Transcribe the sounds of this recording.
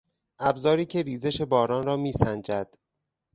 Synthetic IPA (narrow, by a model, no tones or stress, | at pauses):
ʔæbzɒːɾiːcʰe̞ɾiːze̞ʃe̞bɒːɾɒːnrɒːmiːsænd͡ʒæd̪̥